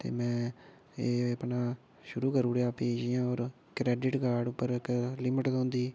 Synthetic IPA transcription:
t̪ḛːmɛ̃ː | eːəpnaː | ʃʊɾuːkəɾuːɽjaːpeːd͡ʒɪjãːoːɾ | kɾɛːɖɪʈɡaːɖʊpːəɾklɪmɪʈd̪õːnd̪iː

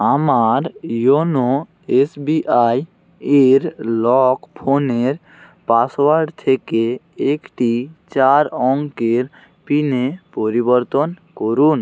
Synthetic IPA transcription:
amaɾjono | esbiʔaj | eɾlɔkpʰoneɾ | paswaɾɖt̪ʰeke | ekʈit͡ɕaɾɔŋkeɾ | pinepoɾibɔɾt̪onkoɾun

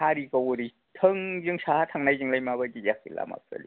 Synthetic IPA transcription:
aɾikɔwuɾi | tʰɯŋzɯŋsʰahatʰaŋnajzɯŋlajmabad͡ʒijak̚dḭla̰ma̰p̚sa̰lḭ

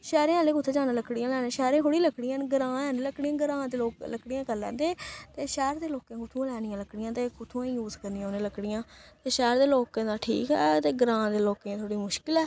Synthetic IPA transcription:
ʃɛːɾẽːãlẽːkʊt̪ʰːeːd͡ʒaːnẽːləkɽijãːlɛːnẽːʃɛːɾẽːkoːɽiːləkɽɪjãːnɡəɾãːɛːneːləkɽijãːɡəɾãːd̪eːloːkləkɽijãːkəlːɛ̰̃ːd̪eːt̪eːʃɛːɾd̪eːloːkẽːkʊt̪ʰũːlɛːnɪjãːləkɽɪjãːt̪eːkʊt̪ʰũĩːjuːzkəɾnijãoːnẽːləkɽɪjãːt̪eːʃɛːɾd̪eːloːkẽːd̪aːʈʰḭːkɦɛ̰ːt̪eːɡɾãːd̪eːloːkẽːt̪ʰoːɽiːmʊʃkɪlɛː

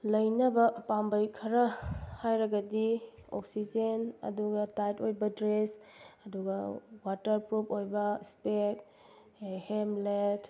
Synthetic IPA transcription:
lɐjnɐbɐpambɐjkʰɐɾɐhajɾɐɡɐdio̰ksid͡ʒenɐ̰duɡɐtajtojbɐdɾesɐduɡɐwatɐɾpɾupojbɐspek | hemlet

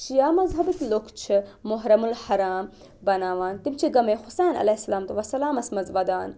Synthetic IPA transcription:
ʃijaːmɐzɦɐbit̪lokʰt͡ʃʰɨmoɦɾɐmulhɐɾaːm | bɐnaːʋaːnt̪imt͡ʃʰiɡɐmeːxʊsaːnɐ̰lesɐlaːmt̪uʋɐsɐlaːmɐsmɐzʋɐd̪aːn

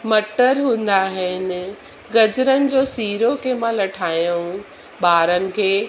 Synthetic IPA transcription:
mɐʈəɾɦũːn̆d̪aɦɪnɪ̆ | ɡɐd͡ʑɾənɪ̆d͡ʑoːsiːɾokʰeːmãlɐʈʰaːjũ | ɓaːɾənɪ̆kʰeː

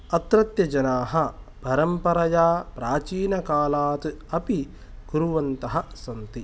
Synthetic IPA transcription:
ɐt̪ɾɐt̪jɐd͡ʒɐnaːɦɐ | pɐɾɐmpɐɾɐjaːpɾaːt͡ʃiːnɐkaːlaːt̪ɨɐpi | ɡuɾuʋɐnt̪ɐɦɐsɐnt̪i

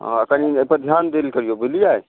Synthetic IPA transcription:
ɦəkəniəpəɾd̪ʱjand̪elkəɾijobilijaj

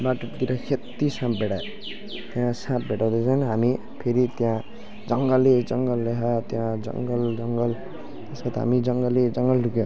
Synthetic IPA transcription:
baʈʌʈt̪iɾʌkʰet̪ːisãp̚bʱeɽajo | t̪jãsãp̚bʱeʈaw̃d̪et͡sʰʌnɦami | pʰeɾit̪jã | d͡zʌŋɡʌlːed͡zʌŋɡʌlːeɦʌt̪jãd͡zʌ̰ŋɡʌld͡zʌŋɡʌl | t̪eskʌt̪ɦa̰mid͡zʌŋɡʌled͡zʌŋɡʌlrukjo

